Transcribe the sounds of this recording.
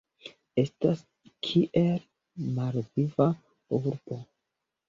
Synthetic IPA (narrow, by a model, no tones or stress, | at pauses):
e̞stas | kʰiʔe̞l | malviva | uɾb̥o̞